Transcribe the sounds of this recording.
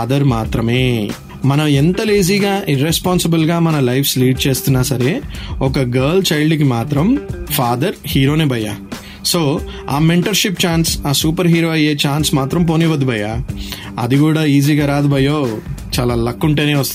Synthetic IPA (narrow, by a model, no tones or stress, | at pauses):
aːd̪ɐɾmaːt̪ɾɐmeː | mɐnɐent̪ɐliːziːɡaːʔiɾespaːnsibɐlɡaːmɐnɐlɐjfʰsliːɖ̚t͡ʃeːst̪inːaːsɐɾeokɐɡɐɾlt͡ʃɐjɭɖikːmaːt̪ɾɐmfʰaːd̪ɐɾhiːɾoːneːbʱɐja̰ | soː | a̰ːmeɳʈɐɾʃip̚t͡ʃaːnsaːsuːpɐɾɦiːɾoːɐjeːt͡ʃaːnsmaːt̪ɾɐmp̬oːniʋɐd̪bʱɐjaː | ɐ̰d̪uɡuːɽaiːziɡɐɾaːd̪bɐjoːt͡ʃaːlaːlɐkːuɳʈeːneːʋɐst̪